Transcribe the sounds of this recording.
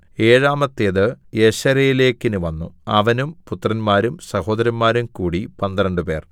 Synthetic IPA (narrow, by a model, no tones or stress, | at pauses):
e̞ːɻaːmɐt̪ːeðɨjeɕɐɾɐjile̞ːkːinuʋɐnːṵɐʋɐnumput̪ːrɐnmaːɾumsɐho̞ːd̪ɐɾɐnmaːɾumkuːɽipɐnd̪iɾɐɳɖɨpe̞ːr